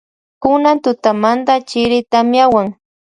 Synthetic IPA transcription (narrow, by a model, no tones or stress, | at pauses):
kʊnant̪ʊt̪amant̪at͡ʃɪɾɪt̪amjawaŋ